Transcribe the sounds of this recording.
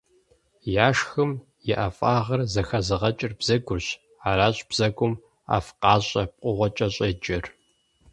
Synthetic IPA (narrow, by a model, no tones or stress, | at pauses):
jaːʂxɨm | jɛʔɐfʼaːʁɐrzɐxɐzɨʁɐt͡ʃʼɪrbz̥ɐɡʷʊrɕ | aːɾaːɕʼb̥z̥ɐɡʷʊm | a̰ːfqɑːɕʼɐp̚ʼqʷʼʊʁʷɔt͡ʃʼɐɕʼɐd͡ʒɐr